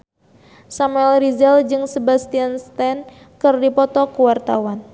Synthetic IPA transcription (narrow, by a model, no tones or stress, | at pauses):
samuɛlɾizɛld͡ʒɨŋsəbast̪ianst̪ɛn | kɨrdipɔt̪ɔkuwart̪awan